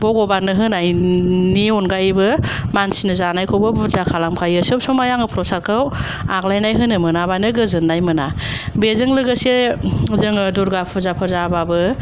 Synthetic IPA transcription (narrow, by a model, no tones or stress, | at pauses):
bɔɡɔbanɯɦɯnajniɔnɡajbɯmansinɯzanajkʰɔbɯbuzakʰalamkʰajɯsɯpsɔmajaŋɯpʰɾɔsaɾkʰɯw | aklajnajɦɯnɯmɯnabanɯɡɯzɯnːajmɯnabezɯŋlɯɡɯsezɯŋduɾɡapʰuzapʰɯɾzababɯ